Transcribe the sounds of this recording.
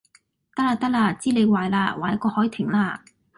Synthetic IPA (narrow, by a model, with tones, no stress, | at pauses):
t̪ɐ˥k̚laː˧t̪ɐ˥k̚laː˧t͡siː˥le˨˧jwaː˨jlaː˧waː˨˩jkɔː˧hɔː˨˥jt̪ʰɪ˨˩ŋlaː˧